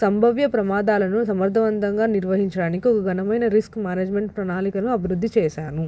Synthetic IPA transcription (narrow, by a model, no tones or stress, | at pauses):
sɐmbʱɐʋjɐpɾɐmaːd̪aːlɐnusɐmɐɾd̪ʱɐʋɐnd̪ɐŋɡaːniɾʋɐɦiɲt͡ʃɐɽaːnikiɔkɐɡɐnɐmɐjnɐɾiskmaːneːd͡ʒme̞ɳʈ̚pɾɐnaːlikɐnuɐbʱiɾud̪ʱːit͡ʃɛːʃaːnu